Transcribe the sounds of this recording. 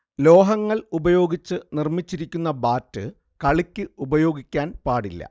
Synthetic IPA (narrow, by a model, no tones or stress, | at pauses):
lo̞ːɦɐŋːɐɭubɐjo̞ːɡit͡ɕːɨnirmit͡ɕːiɾikʲːunːɐbaːtːɨ | kɐɭikʲːɨubɐjo̞ːɡikʲːaːnpaːɽilːɐ̰